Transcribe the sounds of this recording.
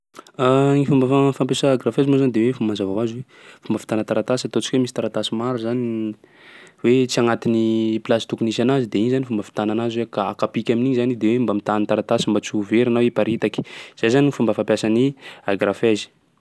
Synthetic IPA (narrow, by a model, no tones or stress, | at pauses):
aŋifumbaafampjasaːɡɾafezimazand̪ewefumanzavavazwe | fumbafi̥t̪anət̪aɾat̪asat̪ot͡ʃi̥kwemisit̪aɾat̪asimaɾuzani | wet͡siaŋat̪iniplasi̥t̪ukunis̬anazid̪eiɲzanifumbafi̥t̪ananazwekaakapikʲaminiɲzanid̪ewembamit̪annt̪aɾat̪asimbat͡suveɾanawipaɾit̪aki̥z̥ejzanifumbəfampʲjasaniaɡrafezi̥